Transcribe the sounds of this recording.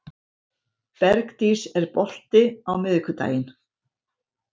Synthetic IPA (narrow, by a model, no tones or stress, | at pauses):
pɛɾkt̪isɛɾpɔl̥t̪ɪawmɪðɪkʰʏt̪a̰ːjɪn